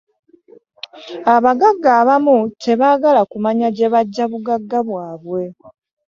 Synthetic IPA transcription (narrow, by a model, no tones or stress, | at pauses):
aβaɡaɡːaːβamutʰe̞βaːɡalakumaɲaɟe̞βaɟːaβuɡaɡːaβwaːβwe̞